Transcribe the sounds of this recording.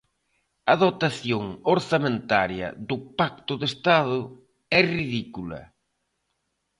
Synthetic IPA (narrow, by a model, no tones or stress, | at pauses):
ɐðot̪aθjoŋoɾsamẽnt̪aɾjɐ̰ðʊpak̚t̪ʊðest̪aðʊ | ɛriðikulɐ̰